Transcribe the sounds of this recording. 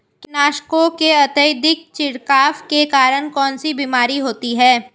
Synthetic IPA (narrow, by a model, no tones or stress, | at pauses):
knaːʃkõkeɐt̪əjd̪ɪk̚t͡ʃɪɽkaːfkekaːɾəɽ̃kɔːnsibiːmaːɾiɦoːt̪iɦɛː